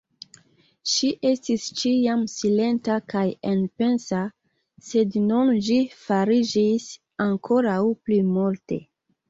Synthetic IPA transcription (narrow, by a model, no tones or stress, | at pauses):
ʃiʔe̞stist͡ʃiamsile̞ntakajenpe̞nsa | se̞dnunʒifaɾid͡ʒis | aŋkʰo̞ɾawplimulte̞̰